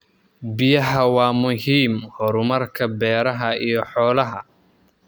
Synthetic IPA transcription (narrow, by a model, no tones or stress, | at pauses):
bɪjɐɦɐwɑːmʊɦiːmhɔɾʊmɐrkʰɐbɛːɾɐɦɐijɞħɔːlɐɦɐ